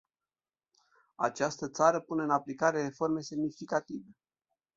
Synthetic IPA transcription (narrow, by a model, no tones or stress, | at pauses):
a̰t͡ʃast̪ət̪saɾəpune̞ɨnaplikaɾe̞refo̞rme̞se̞mnifikat̪ive̞